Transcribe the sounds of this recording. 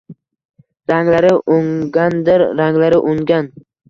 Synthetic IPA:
ɾaŋlaɾɪʔʊŋɡʲand̪ɪɾːaŋlaɾɪʔʊŋɡʲan

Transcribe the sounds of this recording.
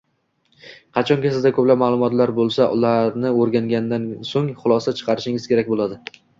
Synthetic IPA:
qʰɑt͡ʃʰɒŋkʲasɪzd̪akʰɵplapmaːlˠʊmɒt̪laɾbolˠsaʔʊlˠaɾnɪoɾɡʲaŋɡʲand̪ansoŋχʊlˠɒsat͡ʃʰɨ̥qʰɑɾɪʃɪŋɪz̥kʲʰe̞ɾak̚ʲbolˠad̪ɪ

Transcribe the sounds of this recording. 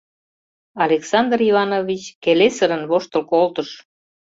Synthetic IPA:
ɑlʲeksɑnd̪rivɑnovʲit͡ɕkelesəɾə̆nβoʃt̪ə̆lkolt̪əʃ

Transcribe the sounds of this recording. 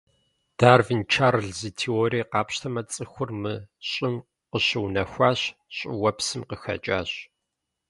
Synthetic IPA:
d̥aːrvint͡ʃʰaːrɨɮziːtʰioːɾiːqɑːpɕtʰɐmɐt͡sʼɨxʷʊrmɨɕʼɪm | qəɕɪwnɐxʷaːɕɕʼɪ̰wɐpsɨmqəxɐ̰t͡ʃʼa̰ːɕ

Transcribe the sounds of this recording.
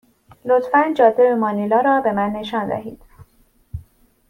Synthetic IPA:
lot̪fænd͡ʒɒːzebemɒːnilɒːɾɒːbe̞mænːe̞ʃɒːnd̪æ̰hḭːd̪̥

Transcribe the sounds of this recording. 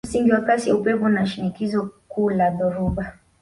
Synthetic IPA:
siŋɡiwakasiaupɛpɔnaʃinikizɔkuːlaðɔɾɔɓa

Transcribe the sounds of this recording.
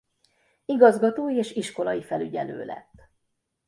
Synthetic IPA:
iɡɒzɡɒt̪oːjieːʃiʃko̞lɒjifɛlyɟɛlø̰ːlɛ̰t̪ː

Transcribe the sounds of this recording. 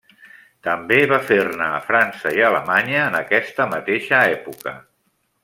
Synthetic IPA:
t̪əmbeβafernaːfɾansəiələmaɲəːnəkɛst̪əmət̪eʃəɛpukə

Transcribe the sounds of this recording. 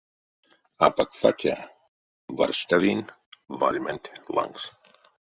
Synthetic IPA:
apakfa̰t̪ʰʲa̰ | va̰ɾʃt̪avin | valʲmɛnt̪ʲlˠa̰ŋs

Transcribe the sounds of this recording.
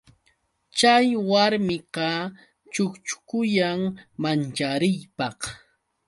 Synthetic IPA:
t͡ʃajwaɾmɪqɑ | t͡ʃʊkt͡ʃʊ̥kʊjaŋmant͡ʃaɾɪjpɑχ

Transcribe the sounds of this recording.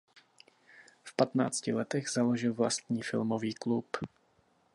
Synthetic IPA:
fpat̪na̰ːt͡scɪlɛt̪ɛɣzaloʒɪlvla̰st̪ɲiːfɪ̰lmoviːklup

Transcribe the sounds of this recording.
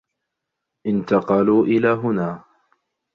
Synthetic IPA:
ʔɪnt̪ɑqɑluːʔɪlaːɦʊnaː

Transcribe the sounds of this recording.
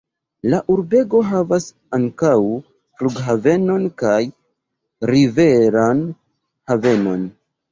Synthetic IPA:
laʔuɾbe̞ɡo̞ɦavas | aŋkaw | fluɡɦave̞no̞nkaj | ɾive̞ɾan | have̞no̞̰n

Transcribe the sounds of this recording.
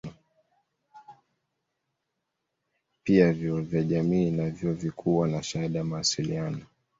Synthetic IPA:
piavjɔɔvjaʄamiːnavjɔvikʰuwanaʃaaɗajamawasilianɔ

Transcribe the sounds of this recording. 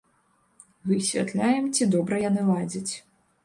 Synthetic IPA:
vɨsʲvʲa̰t̪lʲajɛmt͡sʲid̪ɔbɾɐjanɨlˠad͡zʲɐt͡sʲ

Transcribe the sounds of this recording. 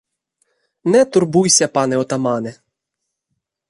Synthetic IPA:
nɛt̪ʊrbujsʲɐpɑnɛɔt̪ɐmɑnɛ

